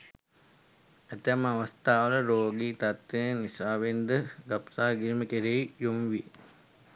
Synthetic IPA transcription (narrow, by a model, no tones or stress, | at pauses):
æt̪æməaʋɐst̪aːʋələɾoːɡiːt̪at̪ʋenənisaːʋend̪əɡapsaːɡiɾiməkeɾeijomʋijḛ